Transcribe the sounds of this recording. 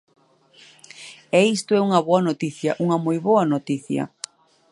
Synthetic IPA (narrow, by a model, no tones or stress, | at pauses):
ɛist̪oɛuŋɐβoɐnot̪iθjɐʔuŋɐmojβoɐnot̪iθjɐ̰